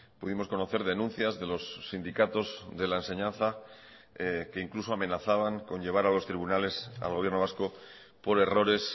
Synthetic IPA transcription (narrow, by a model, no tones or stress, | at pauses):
puðimo̞sko̞no̞θe̞ɾð̞e̞nũn̟θjazðe̞lo̞sːind̪ikat̪o̞zðe̞laense̞ɲãn̟θa | ke̞iŋkluso̞amẽ̞naθaβ̞aŋko̞ɲʎe̞β̞aɾalo̞st̪ɾiβunale̞sa̰lɣo̞βje̞ɾno̞β̞asko̞ | po̞ɾe̞ro̞ɾe̞s